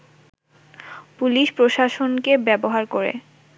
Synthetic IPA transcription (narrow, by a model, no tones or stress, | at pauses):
puliʃpɾoʃaʃonkebɛboɦaɾkoɾḛ